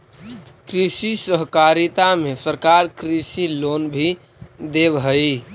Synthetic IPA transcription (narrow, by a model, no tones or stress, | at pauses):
kɾisisəɦkaɾit̪amesəɾkaɾkɾisilonbʱi | d̪ebɦəɪ